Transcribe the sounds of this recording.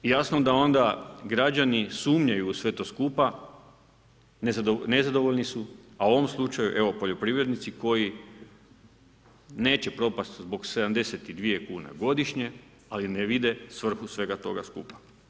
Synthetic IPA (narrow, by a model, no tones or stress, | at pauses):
jasnod̪ao̞nd̪aɡɾad͡ʒanisuːmɲajuːsʋe̞t̪o̞skupa | nezone̞zad̪o̞ʋo̞ʎnisuauoʋo̞mslˠut͡ʃajṵʔe̞ʋo̞po̞ʎo̞pɾiʋɾe̞d̪nit̪siko̞ji | ne̞ːt͡ɕe̞pɾo̞past̪zbo̞kse̞d̪amd̪e̞set̪id̪ʋije̞kuːna̰ɡo̞d̪iʃɲe̞ | alineʋid̪e̞sʋr̩xusʋe̞ɡat̪o̞̰ɡaskṵːpḁ